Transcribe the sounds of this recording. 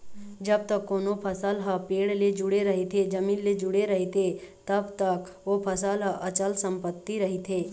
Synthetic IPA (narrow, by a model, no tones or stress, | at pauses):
d͡ʒɐb̚t̪əkːoːnopʰɐsəlɦəpeːɽled͡ʒʊɽeɾɐɦet̪ʰed͡ʒɐmĩːnled͡ʒʊɽeɾɐɦet̪ʰet̪ɐbt̪ək | ʋopʰɐsəlɦəʔɐt͡ʃəlsə̃mpət̪ːiɾɐɦit̪ʰeː